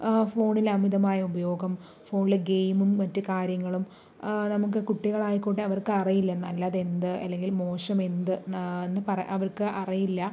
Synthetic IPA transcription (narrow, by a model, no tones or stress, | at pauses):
fo̞ːɳilɐmiðɐmaːjɐubɐjo̞ːɡɐm | fo̞ːɳileɡejmumːɐtːɨkaːɾjɐŋːɐɭum | nɐmukːɨkuʈːiɣɐɭaːjikːuʈ̬ːeɐʋɐrkɨɐrijilːɐnːɐlːaðe̞nd̪ɨʔɐ̰lːe̞ŋɡilmo̞ːɕɐme̞nd̪ɨenːɨpɐrɐʔɐʋɐrkɨʔɐrijilːɐ